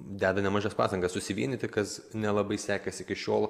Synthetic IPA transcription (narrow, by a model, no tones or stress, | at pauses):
d̪ʲæːd̪ɐnʲɛmɑːʒʲɛːspɑ̰ːst̪ɐ̃ŋɡɐssʊsʲɪʋʲiɛnʲɪt̪ʲɪkɐsnʲɛlˠɐbɐɪsʲæːkʲɛsʲɪkʲɪʃʲoːlˠ